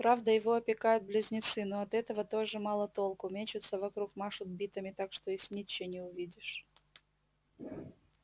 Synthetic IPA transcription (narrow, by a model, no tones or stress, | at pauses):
pɾavd̪əjɪvoɐpʲɪkajʊt̪̚blʲɪzʲnʲɪt̪sɨnoɐt̪ɛt̪əvət̪oʐɨmɑlˠət̪o̞lˠkʊmʲet͡ɕɪt̪səvɐkɾukmaʂʊd̪̚bʲit̪əmʲɪt̪akʂt̪oɪsʲnʲit͡ɕːenʲɪʊvʲidʲɪʂ